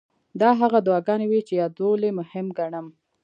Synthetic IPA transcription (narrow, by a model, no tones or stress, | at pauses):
d̪ɑɦaɣad̪wɑɡɑnewit͡ʃejɑd̪olemʊhɪmɡaɳəm